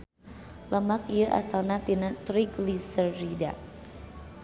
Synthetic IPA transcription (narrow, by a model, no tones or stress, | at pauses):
ləmak̚ijəʔa̰salnat̪inat̪ɾiɡlisərːida̰